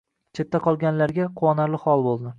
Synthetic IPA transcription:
t͡ʃʰet̪ːaqʰɒlˠɡʲanlaɾɡʲaqʰʊwɒnaɾlɪχɒlˠbolˠd̪ɪ

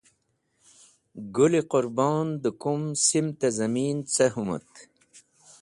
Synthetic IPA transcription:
ɡuliqʊɾbɑːnd̪əkumsimt̪azɐmiːnt͡sɐɦumɐ̰t̪

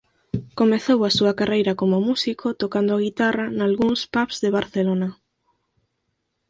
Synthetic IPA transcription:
komeθowasuɐkarejɾɐkomomusikʰot̪okand̪ʊaɣ̞it̪aranalɣuŋspapz̥ðeβ̞aɾθelonɐ

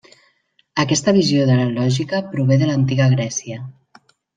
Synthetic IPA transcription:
əkɛst̪əβizjoðələlɔʒikəpɾuβ̞eðələnt̪iɣəɣ̞ɾɛsiə

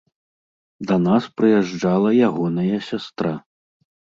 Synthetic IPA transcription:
d̪ɐnaspɾɨjɛʐalˠɐjaɣɔnɐjɐsʲast̪ɾa

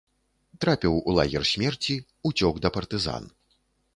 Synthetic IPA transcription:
t̪ɾapʲɛwulˠa̰ɣʲɛrsʲmʲɛrt͡sʲi | ut͡sʲɔɡd̪ɐpɐrt̪ɨza̰n

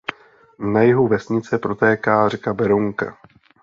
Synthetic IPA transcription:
najɪɦuvɛsɲɪt͡sɛpɾo̞t̪ɛːkaːrɛkabɛɾuŋka̰

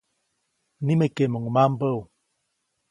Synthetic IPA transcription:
nimekeməŋəmam̩bəw

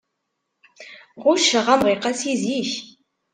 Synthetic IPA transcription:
ʁʊʃəʁamʁiqasiziç

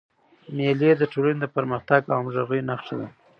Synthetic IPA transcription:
meled̪əʈʰolaned̪əpaɾməxt̪aɡɑmʒaɣəjnaxʃad̪a̰

